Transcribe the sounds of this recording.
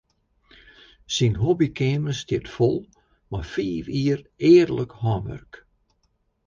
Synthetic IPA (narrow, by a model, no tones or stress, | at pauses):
sinɦɔbikʰeːməstɪtfolˠ | mafiːfiəreːdələkhɔnʋœ̰rk